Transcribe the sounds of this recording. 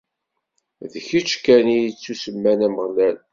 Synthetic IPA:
ðəçit͡ʃːkænijit͡sːusəmːænæməʁlæn

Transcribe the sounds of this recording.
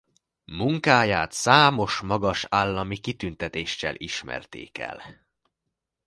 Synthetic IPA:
muŋkaːjaːt̪saːmo̞ʃmɒɡɒʃaːlːɒmikit̪ynt̪ɛt̪eːʃːɛ̰lʔiʃmɛ̰rt̪ḛːkɛ̰l

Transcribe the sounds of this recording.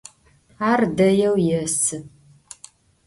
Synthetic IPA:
aːrdɐjɛwjɛsɨ

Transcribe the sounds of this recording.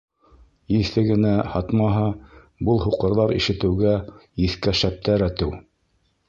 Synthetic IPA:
iθɘɡɘ̆næhɑt̪mɑɦɑ | bɤlˠɦuqɤ̆ɾðɑɾḭʃɘ̆t̪ɘ̆wɡæiθkæʃæp̚t̪ʰæɾæt̪ɘw

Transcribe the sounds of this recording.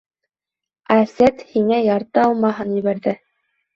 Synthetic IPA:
æsæt̪hiŋæjɑɾt̪ɤɑlˠmɑɦɤnjɘ̆βæɾðɘ

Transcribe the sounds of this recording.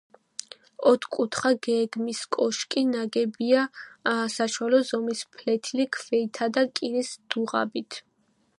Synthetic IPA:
ɔt̪ʰkʼut̪ʰχaɡɛɡmiskʼɔʃkʼinaɡɛbiasaʃwalɔzɔmispʰlɛt̪ʰilikʰvɛit̪ʰad̪akʼiɾisd̪̥uʁa̰bit̪ʰ

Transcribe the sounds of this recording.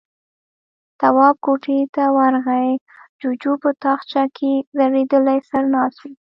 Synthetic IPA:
t̪awɑb̚koʈet̪awaɾɣaj | d͡ʒud͡ʒupət̪ɑxt͡ʃakʰezaɾed̪əlajsaɾnɑsi

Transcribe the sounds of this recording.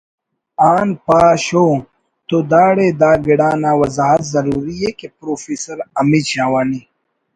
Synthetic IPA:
aːnpaːɕoː | t̪oːd̪aːɽed̪aːɡiɽaːnaːwɐzaːɦɐt̪zɐɾuːɾijeːkepɾoːfiːsɐɾɐmiɕaːwaːniː

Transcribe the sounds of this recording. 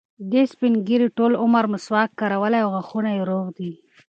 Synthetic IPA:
d̪espinɡiɾiʈolʊmaɾmʊswɑkːaɾawəlajawɣaxunajeɾoɣd̪i

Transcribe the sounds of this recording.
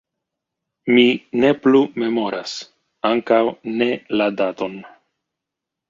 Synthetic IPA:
mine̞plume̞mo̞ɾas | aŋkawne̞ladato̞n

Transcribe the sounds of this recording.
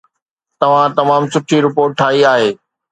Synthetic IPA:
t̪ɐʋ̤ãt̪ɐmaːmsʊʈʰiɾɪpoːɾʈ̚ʈʰːaːiaːɦeː

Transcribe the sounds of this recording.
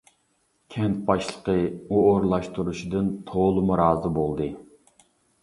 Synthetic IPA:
kʲʰɛnt̪̚bɑʃlˠəqəuoɾlˠɑʃt̪uɾuʃid̪ɨnt̪ʰolˠɨmuɾɑːzɨbolˠd̪ɨ

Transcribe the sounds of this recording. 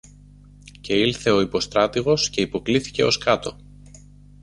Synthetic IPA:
ce̞ilθe̞o̞ipo̞st̪ɾɐt̪iɣo̞sce̞ipo̞kliθi̥ce̞o̞skɐt̪o̞

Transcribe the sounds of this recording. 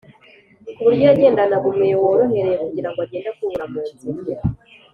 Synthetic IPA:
βuɾɟoaɟe̞ːndanaβumewoɾoɦeɾejekuɟiɾaŋɡoaɟeːndakuβuɾamuetoɾija

